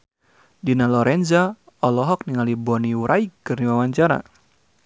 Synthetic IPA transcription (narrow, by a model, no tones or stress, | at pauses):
dinalɔɾʔɛnza | ɔlɔɦɔk̚niŋalibɔniuɾʔaikːɨrniwawaɲt͡ʃaɾa̰